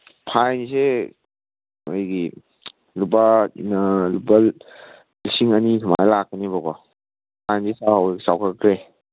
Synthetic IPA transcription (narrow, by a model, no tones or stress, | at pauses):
pʰajnse | ajɡi | lubanaluba | lisiŋanitʰama̰jlak̚anibakɔ | pʰajnsesawawsawkʰakɾe